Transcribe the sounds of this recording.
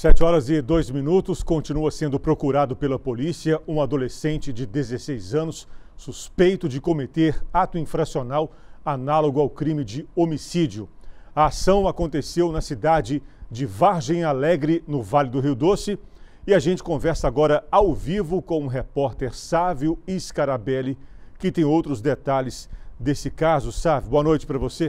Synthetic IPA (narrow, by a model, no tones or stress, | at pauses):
sɛt͡ʃɪɔɾɐzɪd̪ojzmĩnut̪ʊskõnt͡ʃinuɐsẽnd̪ʊpɾokuɾad̪ʊpelɐpolisiɐũad̪olesẽnt͡ʃɪd͡ʒɪd̪ezesejzɐ̃nʊsːuspejt̪ʊd͡ʒɪkomet̪eɾat̪ʊĩfɾasionawanaloɡʊawkɾĩmɪd͡ʒɪomisid͡ʒiʊɐasɐ̃w̃akõnt̪esewnɐsid̪ad͡ʒɪd͡ʒɪvaɾʒẽj̃alɛɡɾɪnʊvalɪd̪ʊɦiwd̪osɪ | ɪaʒẽnt͡ʃɪ̥kõvɛɾsɐaɡɔɾɐawvivʊkõũɦepɔɾt̪eɾsaviʊiskaɾabɛlɪkɪt̪ẽj̃owt̪ɾʊzd̪et̪alɪz̥d̪esɪkazʊsavjuboɐnojt͡ʃɪpɾɐvose